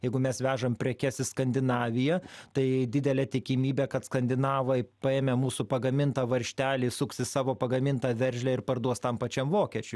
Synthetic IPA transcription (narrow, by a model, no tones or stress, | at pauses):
jɛɪɡʊmʲɛsʋʲæːʒɐmpʲɾʲɛkʲɛsɪskɐnʲd̪ʲɪnɑːʋʲɪjɛt̪ɐɪd̪ʲɪd̪ʲɛlʲɛt̪ʲɪkʲɪmʲiːbʲekɐt̪skɐnʲd̪ʲɪnɑːʋɐɪpɐeːmʲɛmuːsʊpɐɡɐmʲɪnt̪ɑːʋɐɾʲʃʲt̪ʲæːlʲiːsʊksʲɪsɑːʋoːpɐɡɐmʲɪnt̪ɑːʋʲɛɾʲʒʲlʲæɪɾpɐrd̪uɔst̪ɐmpɐt͡ʃʲɛmʋoːkʲiɛt͡ʃʲʊ